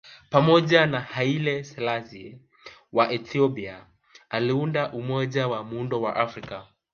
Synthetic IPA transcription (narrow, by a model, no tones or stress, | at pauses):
pamɔʄanahailɛsɛlasi | waʔɛtiɔpia | aliundaʔumɔʄawamundɔwaʔafɾika